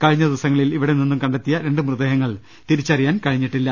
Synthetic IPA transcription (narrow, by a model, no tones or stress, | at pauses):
kɐɻiɲːɐd̪iʋɐsɐŋːɐɭiliʋiɽeninːumkɐɳɖet̪ːijɐɾe̞ɳɖɨmrɨðeːɦɐŋːɐɭ | t̪iɾit͡ɕːɐrijaːnkɐɻiɲːiʈːilːɐ